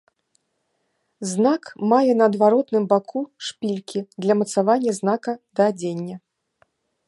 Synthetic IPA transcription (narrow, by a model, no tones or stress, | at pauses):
znakmajɛnɐːd̪vaɾɔt̪nɨmbakʰuʂpʲilʲkʲʰid̪lʲɐmɐt̪savanʲːɐznakɐd̪ɐːd͡zʲenʲːɐ